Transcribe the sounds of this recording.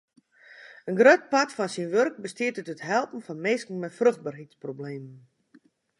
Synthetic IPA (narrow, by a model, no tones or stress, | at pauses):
ənɡrøt̚patfɔnsinʋørk̚bəstiətətətɦɛlˠpn̩fɔnmɪːskn̩mɛtfrøxd̚barɦitsprobleːmən